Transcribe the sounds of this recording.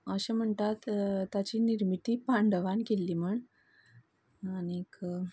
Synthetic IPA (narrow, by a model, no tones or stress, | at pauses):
əɕem̤əɳt̪at̪ːat͡ɕiːniɾmit̪iːpaɳɖəʋankelːiːm̤əɳ | aniek